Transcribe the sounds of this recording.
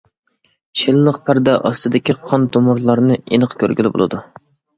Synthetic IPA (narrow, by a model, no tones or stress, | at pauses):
ʃɪlːəqpʰæɾd̪ɛʔɑst̪ɨd̪ɪkʲiqʰɑnd̪omʊɾlˠɑɾnɨenɨqkʲʰøɾɡʲylɪbo̰lˠɨ̰d̪u